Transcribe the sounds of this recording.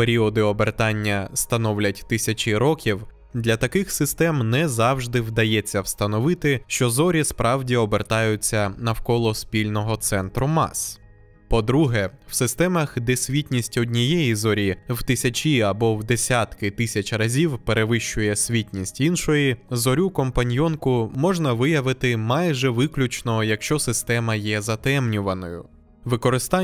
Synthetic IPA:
peɾʲiɔd̪ɪɔbert̪ɑnʲːɐst̪ɐnɔwlʲɐtʲt̪ɪsʲɐt͡ʃiɾɔkʲiw | d̪lʲɐt̪ɐkɪxsɪst̪ɛmnɛzɑwʒd̪ɪwd̪ɐjɛt͡sʲːɐwst̪ɐnɔʋɪt̪ɪʃt͡ʃɔzɔɾʲispɾʔɑwdʲiɔbert̪ɑjʊt͡sʲːɐnɐwkɔlˠɔspʲilʲnɔɦɔt̪sɛnt̪ɾʊmɑ̰s | pɔd̪ɾuɦɛwsɪst̪ɛmɐxd̪esʲʋʲitʲnʲisʲtʲɔdʲnʲijɛjizɔɾʲiwt̪ɪsʲɐt͡ʃʲiɐbɔwd̪esʲat̪kɪt̪ɪsʲɐt͡ʃʲrɐzʲiwpe̞ɾʔeʋɪʃt͡ʃːʊjɛsʲʋʲitʲnʲisʲtʲinʃɔjizɔɾʲukɔmpɐnʲjɔnkʊmɔʒnɐʋɪjɐʋɪt̪ɪmɑjʒɛʋɪklʲʊt͡ʃnɔjɐkʃt͡ʃɔsɪst̪ɛmɐjɛzɐt̪ɛmnʲʊʋɐnɔjʊ̰ | ʋɪkɔɾɪst̪ɑ

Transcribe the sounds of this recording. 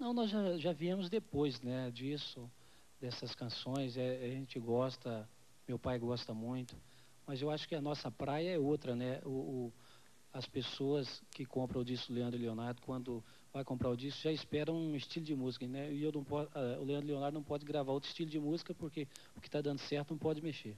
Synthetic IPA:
nɐ̃w̃nɔzʒaʒaviẽmʊzd̪epojznɛd͡ʒisʊ | d̪ɛsɐskɐ̃sõj̃zɛaʒẽnt͡ʃɪɡɔst̪ɐ | mewpajɡɔst̪ɐmũj̃t̪ʊ̥ | mɐzewaʃʊ̥kɪɐnɔsɐpɾajɐɛowt̪ɾɐnɛʊː | ɐspesoɐskɪkõmpɾɐ̃ʊd͡ʒiskʊleɐ̃d̪ɾʊleonaɾd̪ʊkwɐ̃nd̪ʊ | vajkõmpɾaɾʊd͡ʒiskʊʒaɪspɛɾɐũist͡ʃilʊd͡ʒɪmuzikɐnɛɪewnɐ̃w̃pɔɐʊ̰leɐ̃nd̪ɾʊleõnaɾd̪ʊnɐ̃w̃pɔd͡ʒɪɡɾavaɾowt̪ɾɪ̥st͡ʃilʊd͡ʒɪmuzikɐpoɾkeʊkɪ̥t̪ad̪ɐ̃nd̪ʊsɛɾt̪ʊnɐ̃w̃pɔd͡ʒɪmeʃeɾ

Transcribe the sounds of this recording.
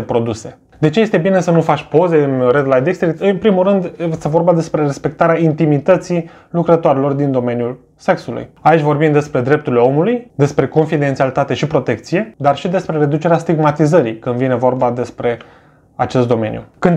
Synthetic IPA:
epɾo̞d̪use̞ | d̪e̞t͡ʃe̞je̞st̪ebine̞sənufat͡ʃʲpo̞ze̞ɨnred̪lajd̪ekst̪ɾikt̪ɨnpɾimulɾɨnd̪est̪evo̞rbad̪e̞spɾeɾe̞spe̞k̚t̪aɾeaint̪imit̪ət̪si | lukɾət̪oaɾelo̞rd̪ind̪o̞me̞njul | se̞ksulṵjait͡ʃʲvo̞rbimd̪e̞spɾe̞d̪ɾe̞p̚t̪uɾileo̞mulujd̪e̞spɾe̞ko̞nfid̪e̞nt̪sialit̪at̪e̞ʃipɾo̞t̪e̞kt̪sije̞d̪arʃid̪e̞spɾe̞ɾe̞d̪ut͡ʃe̞ɾeast̪iɡmat̪izəɾikɨnd̪vine̞vo̞rbad̪e̞spɾe̞ | at͡ʃe̞st̪d̪o̞me̞njṵkɨnd̪

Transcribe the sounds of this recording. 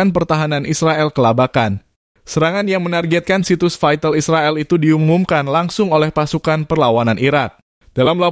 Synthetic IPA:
anpərt̪aɦananisɾaɛlkəlabakan | səɾaŋanjaŋmənarɡɛt̪̚kansit̪ʊsfajt̪əlisɾaɛlit̪udiumumkanlaŋsʊŋolɛhpasukanpərlawananʔiɾak̚ | d̥alamla

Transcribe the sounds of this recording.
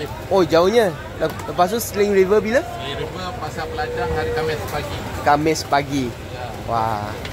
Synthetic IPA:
od͡ʒaʊɲa | lləpas̬ʊkslɪŋɾivəbilə | iɾuvəpasapəlad͡ʒahaɾikamɛspaɡikamɛspaɡi | wa̰

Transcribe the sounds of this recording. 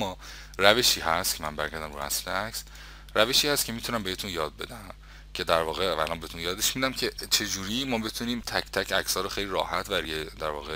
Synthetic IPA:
mːɒː | ræve̞ʃiːhæst̪cʰemæmbæɾɡæɾd̪æmɾuæ̰slḛæks | ræveʃiːhæst̪̚cʰe̞miːt̪ʰunæmbehet̪ʰunjɒːd̪̚be̞̰d̪æm | cʰe̞d̪æɾvɒːɣeæ̰lɒːnmbeet̪ʰuːnjɒːd̪e̞ʃmid̪æmcʰe̞t͡ʃʰe̞d͡ʒuːɾiːmɒːbe̞t̪ʰuniːmt̪ʰæcʰt̪ʰæcʰæcʰsɒːɾoxejliːɾɒːhæt̪ʰbæɾijed̪æɾvɒ̰ːɣe

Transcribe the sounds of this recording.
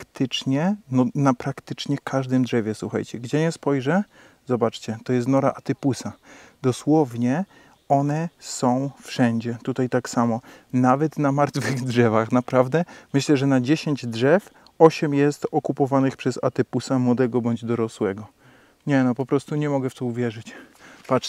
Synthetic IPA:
kt̪ɘt͡ʂɲɛnɔnapɾakt̪ɘt͡ʂɲɛkʰaʐd̪ɘmd̪ʐɛvʲjɛswuxa̰jt͡ɕɛɡd͡ʑɛɲɛspɔjʐɛ | zɔbat͡ʂt͡ɕɛt̪ɔjɛst̪nɔɾaʔat̪ɘpusad̪ɔswɔvɲɛ | ɔnɛsɔ̃w̃fʂɛɲd͡ʑɛt̪ut̪ajt̪aksamɔnavɛt̪namaɾt̪fɘɣdʐɛvaxnapɾavd̪ɛmɘɕlɛʐɛnad͡ʑeɕeɲd͡ʑdʐɛf | ɔɕɛmjɛst̪ɔkupɔvanɘxpʂɛza̰t̪ɘpusamwɔd̪ɛɡɔbɔɲd͡ʑd̪ɔɾɔswɛɡɔ | ɲɛnɔpɔpɾɔst̪uɲɛmɔɡɛft̪ɔuvʲjɛʐɘt͡ɕpat͡ʂ

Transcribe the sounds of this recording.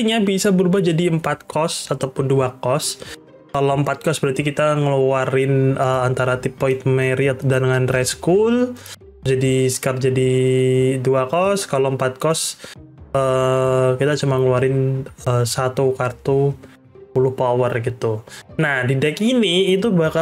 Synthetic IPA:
t̪iɲabisabəɾubahd͡ʒadiəmpat̪̚kʰɔsat̪awpʊnduakɔs | kalowəmpat̪̚kɔsbəɾat̪ikit̪aŋəluaɾɪnəant̪aɾat̪ipːoit̪̚meɾiat̪dandəŋanrɛskul | d͡ʒadiskard͡ʒadi | duakɔskaloəmpat̪̚kɔs | əkit̪at͡ʃumaŋəluaɾɪnəsat̪ukart̪u | pulʊhpawərɡit̪unahdidɛkiniːt̪̬ubaka

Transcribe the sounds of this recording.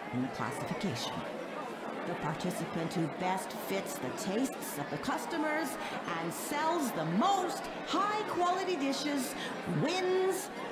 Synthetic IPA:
ɨ̃nðɨkʰl̥æ̰sɨfɨkʰeɪʃɨ̰̃n | ðɨpʰɑɹtʰɪsɨpɨ̃nt̚hʉbɛstfɪtsðɨtʰeɪstsʌvðɨkʰʌstɨmə˞z | ʔɨ̃nsɛlˠzðəmoʊst̚ | haɪkʰw̥ɑlˠɨɾidɪʃɪz | wɪ̃nz̥

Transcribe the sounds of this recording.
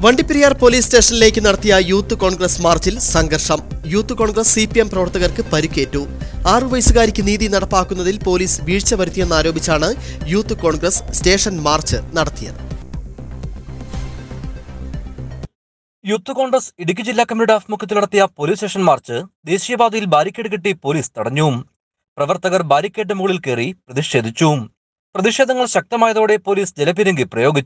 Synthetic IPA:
ʋɐɳɖipːiɾijaːrpo̞ːliːsste̞ːʂɐnile̞ːkʲːɨnɐɽɐt̪ːijɐjuːt̪ːɨko̞ːɳɡrɐsmaːrt͡ɕilsɐŋɡɐrʂɐmjuːt̪ːɨko̞ːɳɡrɐsːipiemprɐʋɐrt̪ːɐɣɐrkɨpɐɾukʲːe̞ːtːuaːrɨʋɐjsuɣaːɾikʲːɨniːðinɐɽɐpːaːkːunːɐðilpo̞ːliːsʋiːɻt͡ɕːɐʋɐɾut̪ːije̞nːaːɾo̞ːbit͡ɕːaːɳɨjuːt̪ːɨko̞ːɳɡrɐsste̞ːʂɐnmaːrt͡ɕɨnɐɽɐt̪ːijɐ̰ɨ | juːt̪ːɨko̞ːɳɡrɐsiɽikʲːɨd͡ʑilːaːkːɐminiɽaːfmukʰːɐt̪ːilnɐɽɐt̪ːijɐpo̞ːliːsʈe̞ːʂɐnmaːrt͡ɕɨd̪e̞ːɕijɐbaːd̪ɐjilbaːɾikʲːeɽɨkiʈːipo̞ːliːst̪ɐɽɐɲːuum | prɐʋɐrt̪ɐɣɐrbaːɾikʲːeːɖ̬ɨmuːɭilke̞ːriprɐðiʂe̞ːd̪ʱit͡ɕːuːum | prɐðiʂe̞ːd̪ɐŋːɐɭɕɐk̚t̪ɐmaːjɐðoːɽe̞po̞ːliːsd͡ʑelɐpiɾɐŋɡiprɐjo̞ːɡit͡ɕːu

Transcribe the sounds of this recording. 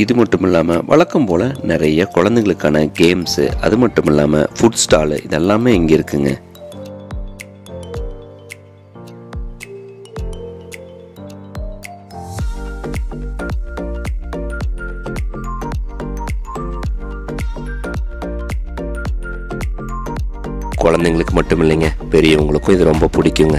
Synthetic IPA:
ɪðɯmɐʈːɯmɪlːaːmɐʋɐ̰ɭɐkːɐmpoːlɐnɪɾɐjɐkʊɻɐnd̪ɛɣɐɭɯkːaːnɐɡeːmsɯ̰ʔɐðɯmɐʈːɯmɪlːa̰ːmɐ̰fʊɖsʈaːlʔɪðɛlːaːmeːɪŋɡɐɪɾɯkːɯŋɡɐ̰ | kɔɻɐnd̪ɐŋɡɐɭɯkːɯmɐʈːɯmɪlːɐŋɡɐpɛɾɪjɐʊŋɡɐɭɯkːʊ̃ɪðɯɾɔmbɐpʊɽɪkʲːɯŋɡɐ

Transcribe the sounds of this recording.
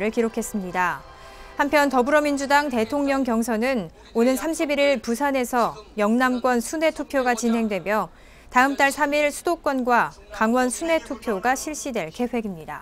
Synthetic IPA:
ɾɯɭkiɾokʰe̞s͈ɯmɲida | hampʰjʌntʌbuɾʌmind͡ʑudaŋte̞tʰoŋɲʌŋkjʌŋsʰʌnɯn | onɯnsʰamɕʰibiɾiɭpusʰane̞sʰʌjʌŋnamɡwʌnsʰune̞tʰupʰjoɡat͡ɕinɦe̞ŋdwe̞mjʌ | taɯmt͈aɭsʰamiɭsʰudok͈wʌnɡwa | kaŋwʌnsʰune̞tʰupʰjoɡaɕʰiɭɕ͈idwe̞ɭke̞ɸwe̞ɡimɲida̰

